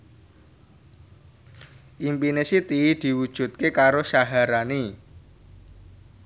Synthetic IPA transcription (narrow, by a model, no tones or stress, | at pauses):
ʔimpinesit̪id̪̥i̤wud̥ʒ̥ṳt̪̚kekaɾosaɦaɾani